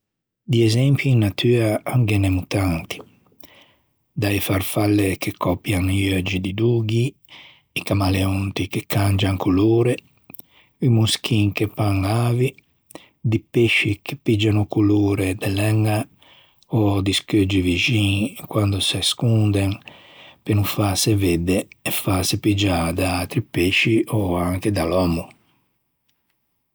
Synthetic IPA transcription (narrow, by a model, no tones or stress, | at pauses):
d̪iɛzɛmpjiinːat̪ʰyːɾaaŋɡɛnɛmut̪ant̪i̥ | d̪aifaɾfalːekekʰːɔpjaŋiad͡ʒid̪id̪uːɡiː | kamaleɔnt̪ikekʰːand͡ʒaŋkuloːɾe | imusk̟iŋkepaŋaːvi | d̪ipeʃːikepid͡ʒanukuloːɾed̪ɛlɛŋːa | ɔd̪isked͡ʒivid͡ʒiŋkwand̪osaskund̪eŋ | penufaseved̪eɛfasepid͡ʒad̪aat̪ɾipeʃːiʔɔaŋked̪alɔmu